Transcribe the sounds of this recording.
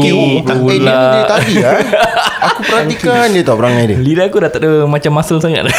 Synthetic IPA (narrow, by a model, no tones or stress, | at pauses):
aulat̪adiaakupəɾat̪ikandiət̪abəɾaŋajdḭlidakudat̪aʔ̚əmat͡ʃamːasalsaŋa̰t̪̚a